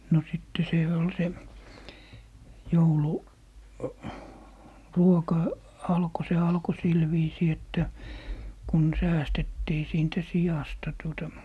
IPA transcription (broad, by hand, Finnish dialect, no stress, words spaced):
no sitːe seˑ ol se joulu ruokɑ ɑlko se ɑlko sil ʋiːsiː etːæ kun sæːstetːiː siːntæ sijɑstɑ tuotɑ